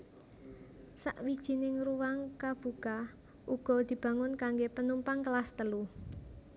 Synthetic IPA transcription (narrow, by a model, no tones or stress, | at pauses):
sa̰ʔwid̥ʒ̥i̤nɪŋruwaŋkab̥ṳka | ʔuɡ̥ɔ̤d̪̥i̤b̥ä̤ŋʊnkaŋɡepənumpaŋkəlast̪əlu